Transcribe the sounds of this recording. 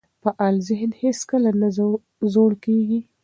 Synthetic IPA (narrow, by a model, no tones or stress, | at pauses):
pəʔɑlzɪɦnheskəlana | zoɽkeɡi